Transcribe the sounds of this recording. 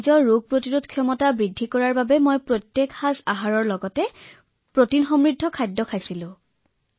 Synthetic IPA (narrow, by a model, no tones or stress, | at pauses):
zɔɹːuɡ̚ʱpɹotiɹudkʰijɔmɔtabɹidʱːikɔɹaɹbabɛmojpɹotjekhazaɦaɹɔɹlɔɡɔtɛ | pɹotinxɔmɹidʱːɔkʰajdːɔkʰajsilʊ̃